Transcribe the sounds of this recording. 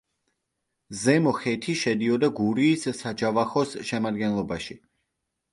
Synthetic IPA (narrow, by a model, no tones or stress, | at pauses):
zɛmɔχɛt̪ʰiʃɛd̪iɔd̪aɡuɾiːssad͡ʒavaχɔsʃɛmad̪ɡɛnlˠɔbaʃi